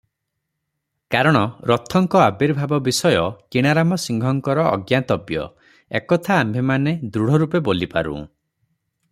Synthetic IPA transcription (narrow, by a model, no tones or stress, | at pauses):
kaɾɔɽ̃ɔɾɔt̪ʰɔŋkɔabiɾbʱabɔbisɔjɔkiɽ̃aɾamɔsiŋɡʱɔŋkɔɾɔ̰ːɡjat̪ɔbjɔ̰ | ekɔt̪ʰaːmbʱemaned̪ɾuɽ̤ɔɾupebolipa̰ɾṵ̃